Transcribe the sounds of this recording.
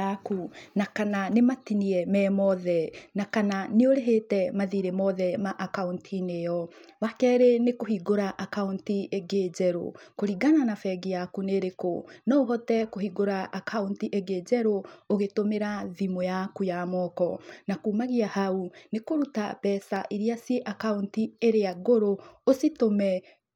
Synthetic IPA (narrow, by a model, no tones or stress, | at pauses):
akunakananematiniɛmɛmɔðɛnakananeoɾeɦetɛmaðiɾemɔðɛmaʔakauntʰinejɔ | βakɛɾenekohiɡoɾaʔakauntiʔeɡed͡ʒɛɾo̰koɾiɡananafɛɡijakuneɾeko̰nɔoɦɔtɛkohiɡoɾaʔːkʰauntiʔeɡed͡ʑɛɾooɣetomeɾaðimojakujamɔːkɔnakuːmaɣiahaunekoɾuta̰bɛːsaʔiɾiasieʔakauntieɾeaɣoɾoositomɛ